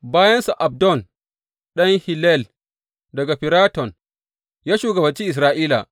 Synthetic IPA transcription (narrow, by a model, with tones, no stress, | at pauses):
baː˦jɐ˦nsa˨ʔa˨b̚dɔ˦˨n | ɗɐ˦ŋhi˨lɛ˦˨l | dɐ˨ɡa˨ɸɪ˨ɾaː˦tɔ˨n | jaː˦ʃuː˨ɡɐ˨bɐ˨nt͡ʃiː˦ʔɪ˨s̬ɾaː˦ʔiː˦la̰˨